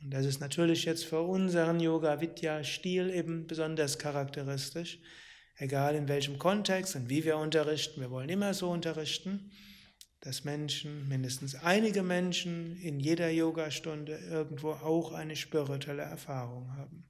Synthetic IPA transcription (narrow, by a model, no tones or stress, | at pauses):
ʊnt̚d̥as̬ɪstnatʰyːɐlɪçjɛt͡stfyːɐʔʊnzəʁənjoːɡavɪtʰjaʃtiːleːbm̩bəzɔndɐskʰaʁaktəʁɪstɪʃ | ʔeɡaːlɪnvɛlçəmkʰɔntɛkstʊntv̥iːviːɐʊntɐʁɪçtn̩viːɐvɔlənɪmɐzoːʊntɐʁɪçtn̩ | d̥asmɛnʃn̩mɪndəstn̩sʔaɪnɪɡəmɛnʃn̩ɪnjeːdɐjoːɡaʃtʊndəʔɪɐɡŋ̩tv̥oːʔaʊxʔa̰ɪnəʃpɪʁitʰɛləɛ̰ɐfaːʁʊŋɦaːbm̩